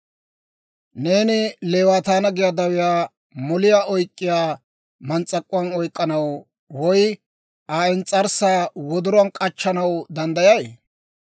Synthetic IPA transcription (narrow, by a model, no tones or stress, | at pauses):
ne̞ːnɪleːwaːt̪aːnɐɡɪjad̪ɐwɪjaː | mɔlɪjaːʔɔjkʼːɪjaː | mɐnt͡sʼːɐkʼːʊɐnɔjkʼːɐnɐw | wɔj | aːɪnt͡sʼɐɾsaːwɔd̪ʊɾɐnkʼɐt͡ʃːɐnɐwd̪ɐnd̪ɐjɐj